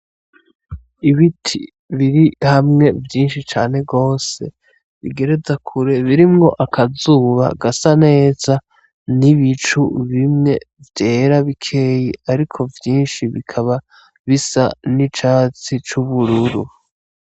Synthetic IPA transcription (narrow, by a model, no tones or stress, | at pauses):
iβitʰi | βiɾihamŋe̞vjiːnʃit͡ʃaːne̞ɡo̞ːse̞ | βḭɡe̞ɾe̞zakʰuɾe̞βiɾimŋo̞ʔakʰazuːβa̰ɡasane̞ːza | niβit͡ʃuβimŋe̞vje̞ːɾaβikʰe̞ːjiaɾikʰo̞vjiːnʃiβikʰaβa | βisa̰nit͡ʃaːt͡sit͡ʃuβuɾuɾu